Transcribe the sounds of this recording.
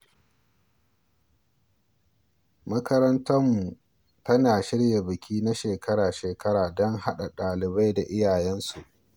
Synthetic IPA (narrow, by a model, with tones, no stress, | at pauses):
mɐ˦kɐ˦ɾɐ˦ntɐ˦mːu˨ | tɐ˦naː˨ʃɪ˦ɽja˨bɪ˨kʲiː˦na˦ʃeː˨kʰɐ˦ɾaː˨ʃeː˨kɐ˦ɾaː˨dɔ˦ŋɦa˦ɗa˨ɗaː˨lɪ˨ba˦jda˨ʔɪ˦jaː˨jɛ˦nsu˨ʔ